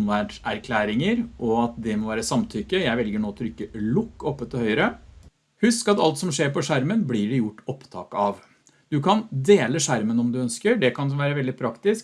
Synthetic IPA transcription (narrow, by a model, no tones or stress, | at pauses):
nʋæːʈæɾkʰlæːɾɪŋəɾʔɔɑt̪d̪ɛmɔʋæːɾəsɑmt̪ʰʏkːəjæɪʋɛlɡəɳoːt̪ʰɔɾʏkːəlʊkːɔpːət̪ɔhœʏəɾə | hʉskɑt̪ɑ̰lt̪sɔmʂeːɾpɔʂæɾmənblɪɖɛjʊʈːɔpt̪ʰɑ̰ːkəɑʋ | d̪̥ʉkʰɑnd̪eːləʂæɾmənɔmd̪ʉœnskəɖɛkʰɑnʋæːɾəʋɛld̪ɪpʰɾɑkt̪ɪsk